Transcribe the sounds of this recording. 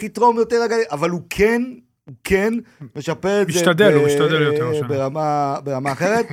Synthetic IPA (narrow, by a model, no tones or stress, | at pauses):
χit̪ʁo̞mjoteʁaɡaiʔavalukʰen | ukʰenme̞ʃapeʁetmizʃet̪ad̪emiʃt̪ad̪eljobeʁamabe̞ʁamaːχe̞ʁet̪